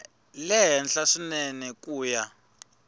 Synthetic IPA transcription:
lɛjɛnɬaʂunɛnɛkʼuːja

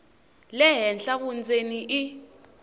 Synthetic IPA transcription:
lɛɦɛnɬak̬und͡zeniʔi

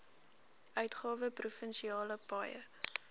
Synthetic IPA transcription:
œɥtχɑːvəprufənʃiɑːləpɑːjə̰

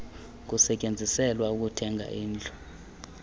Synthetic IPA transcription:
k̬usɛcʼend͡zʱisɛlwauk̬utʰɛŋʱa̰ʔiːnd͡ɮʱɔ̥

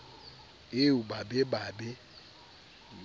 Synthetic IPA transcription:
eubabebabɪ

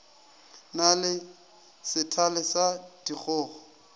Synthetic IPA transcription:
nalɪ | sɪtʰalɪsad̥ik͡xʰʊːχɔ

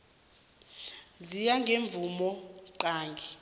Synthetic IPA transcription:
zijaŋɡʱeɱb̪vumɔǃaːŋɡʱi

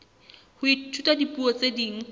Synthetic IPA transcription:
hʊitʰutʼadipʼuɔt͡sʼediŋ̩

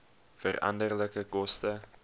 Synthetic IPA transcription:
fərɐ̰ndərləkəkɔstə

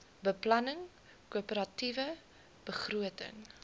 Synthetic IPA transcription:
bəplɐnəŋ | kuəpəɾɐtivə | b̥əχruətə̰ŋ

